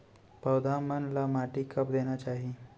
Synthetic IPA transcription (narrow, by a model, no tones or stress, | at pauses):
pəːd̪aːmənlamaːʈikɐp̚d̪eːnat͡ʃaːɦie